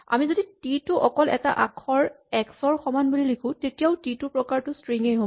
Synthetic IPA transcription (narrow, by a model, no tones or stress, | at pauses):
a̰mizodititʊʔɔkɔlɛ̰ta̰ʔakʰɔɹ | ɛksɔɹxɔmanbulilikʰʊ̃tetijaʊtitʊpɹɔkaɹtʊstɹiŋejɦo